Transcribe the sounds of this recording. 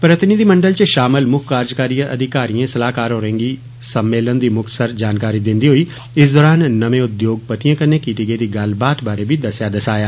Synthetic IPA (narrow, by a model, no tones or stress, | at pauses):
pɾət̪ɪnid̪iːməɳɖəlt͡ʃʃaːmɪlmʊkʰkːaːɾd͡ʒkaːɾijaʔəd̪ʱɪkaːɾijãːsəlaːkaːɾɦoːɾə̃ːŋɡiː | səmːeːlənd̪iːmʊk̚t̪səɾd͡ʒaːnkaːɾiːd̪ɪnd̪iːɦoːiː | ɪs̬d̪ɔːɾaːnːəʋẽːʊd̪joːɡ̚pət̪ijãːkənːẽːkiːʈiːɡeːd̪iːɡəlbaːt̪baːɾeːbiːd̪əsjaːd̪əsaːjaː